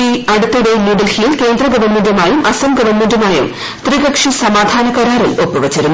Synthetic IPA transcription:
iɐɽut̪ːɐɽenuɖɐlhijilke̞ːnd̪rɐɡɐʋɐrmendumaːjumʔɐsɐmɡɐʋɐrmendumaːjum | t̪riɣɐkʂisɐmaːd̪ʱaːnɐkɐɾaːɾɐlopːuʋɐt͡ɕːɐɾun

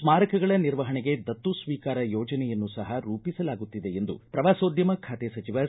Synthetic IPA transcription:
smaːɾɐkɐɡɐɭɐniɾʋɐɦɐɳeɡe̞d̪ɐt̪ːusʋiːkaːɾɐjɔːd͡ʒɐnɛjɐnːusɐɦɐɾuːpisɐlaːɡut̪ːid̪e̞end̪ṵpɾɐʋaːsoːd̪jɐmɐkʰaːt̪esɐt͡ʃiʋɐ

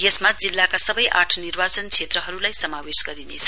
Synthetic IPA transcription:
jesmad͡zilːakasʌbʌjʔaʈʰʌnirbat͡sʌnt͡sʰet̪rʌɦʌɾulajsʌmawesɡʌɾinet͡sʰʌ

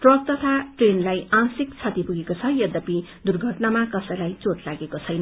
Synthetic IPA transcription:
ʈrʌk̚t̪ʌt̪ʰaʈrenlajãsik̚t͡sʰʌt̪ipuɡekot͡sʰʌjʌd̪ʌpid̪urɡʱʌʈnamakʌsʌjlajt͡sotlaɡekot͡sʰʌjnʌ

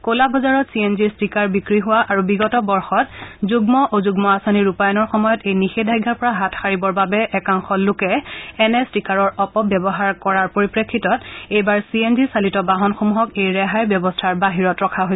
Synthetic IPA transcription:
kolabʱɔzaɹɔtsienziɹstikaɹbikɹiɦʊwaʔaɹubiɡɔtɔbɔɹxɔtzuɡmɔʔozuɡmɔasoniɹupajɔnɔɹxɔmɔjɔtejnixedʱajɡʱːaɹpɔɹaɦatʰxaɹibɔɹbabɛʔɛkaŋxɔlʊkɛːnɛstikaɹɔɹɔpɔbjɔbɔɦaɹkɔɹaɹpoɹipɹekʰːitɔtejbaɹsienzisalitɔbaɦɔnxomuɦɔkejɹɛɦajbjɔbɔstʰaɹbaɦiɹɔtɹɔkʰaɦojs

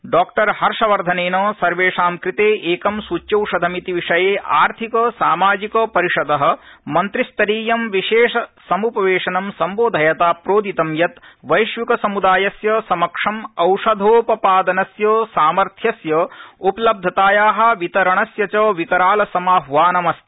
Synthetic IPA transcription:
ɖaːkʈɐɾhɐɾʂɐʋɐɾd̪ʱɐneːnɐːsɐɾʋeːʂaːmkɾit̪eːʔeːkɐmsut͡ʃjɐwʂɐd̪ʱɐmit̪iʋiʂɐjeːʔaːɾt̪ʰikɐsaːmaːd͡ʒikɐːpɐɾiʂɐd̪ɐɦɐ̆mɐnt̪ɾist̪ɐɾiːjɐmʋiʃeːʂɐsɐmupɐʋeːʂɐnɐmsɐmboːd̪ʱɐjɐt̪aːpɾoːd̪ʱit̪ɐmjɐt̪ʋɐjʃʋikɐsɐmud̪aːjɐsjɐsɐmɐkʂɐmɐwʂɐd̪ʱoːpɐpaːd̪ɐnɐsjɐːsaːmɐɾt̪ʰjɐsjɐupɐlɐb̚d̪ʱɐt̪aːjaːɦɐ̆ʋit̪ɐɾɐɳɐsjɐt͡ʃɐːʋikɐɾaːlɐsɐmaːɦʋaːnɐmɐst̪

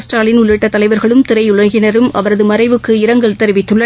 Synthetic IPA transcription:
sʈaːɭɪnʊɭɪʈːɐt̪ːɐlɐɪʋɐɾɣɐɭɯmt̪ɪɾɐɪʊɭɐɣɪnɐɾɯmɐ̰ʋɐɾɐðɯmɐɾɐɪʋɯkːɯɪɾɐŋɡɐɭt̪ɛɾɯʋɪt̪ːɯɭːɐ

